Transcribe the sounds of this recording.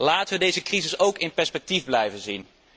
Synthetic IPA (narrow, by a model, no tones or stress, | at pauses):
laːtəʋədejzəkrizɪsowkɪnpɛɹspɛk̚tivblɛjvənzin